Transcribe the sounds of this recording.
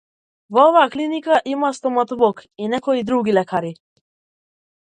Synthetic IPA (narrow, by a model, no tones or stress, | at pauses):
vɔɔvaːklinikaʔimast̪ɔmat̪ɔvɔkinɛkɔid̪ɾuɡilɛkʰaɾi